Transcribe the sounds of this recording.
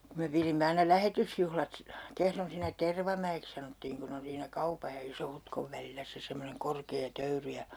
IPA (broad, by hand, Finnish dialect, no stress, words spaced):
ku me pirimːe ɑinɑ læhetysjuhlɑt si kehron siːnːæ terʋɑmæeks sɑnotːiːŋ kun on siːnæ kɑupɑj jɑ isohutkoʋ ʋælilːæ se semːoneŋ korkeː tøyry jɑ